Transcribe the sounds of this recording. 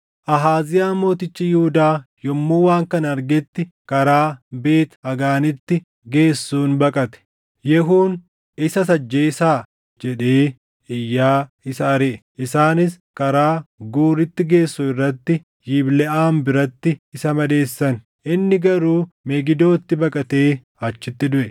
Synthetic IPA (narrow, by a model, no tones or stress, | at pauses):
ʔɐɦaːzɪjaːmo̞ːt̪ɪt͡ʃːijɪhʊd̪aːjɔmːuːwaːŋkɐnɐɾɡɛt̪ːɪkɐɾaːbe̞ːt̪ɐɡaːnɪt̪ːɪ | ɡe̞ːsːuːnbɐkʼɐt̪ɛ̥ | jɛɦuːn | ɪsɐsɐd͡ʒːeːsaː | d͡ʒɛᶑeː | ɪjːaː | ɪsɐɐɾeʔʔɪsaːnɪs | kɐɾaːɡuːɾɪt̪ːɪɡe̞ːsːuɪrːɐt̪ːɪ | jiːblɛʔaːmbɪɾɐt̪ːɪɪsɐmɐd̪e̞ːsːɐn | ʔɪnːɪɡɐɾuːmɛɡɪd̪o̞ːt̪ːɪbɐkʼɐt̪e̞ː | ɐt͡ʃːɪt̪ːɪd̪ʊʔɛ